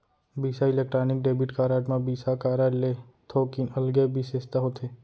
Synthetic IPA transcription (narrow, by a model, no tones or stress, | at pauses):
biːsaɪleːk̚ʈɾaːnɪk̚ɖeːbiʈkaːɾaːʈmãbiːsakaːɾaːʈleː | t̪ʰoːkinəlɡebʱiseːst̪aɦot̪ʰeː